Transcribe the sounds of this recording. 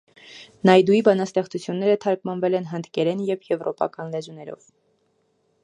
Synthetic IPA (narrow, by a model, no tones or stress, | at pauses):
nɑjd̪uibɑnɑst̪ɛχt͡sut͡sʰjunːɛɾət̪ʰɑɾkmɑnvɛlɛnɦənd̪kɛɾɛnjɛvjɛvɾɔpɑ̰kɑnlɛzunɛɾɔ̰v̥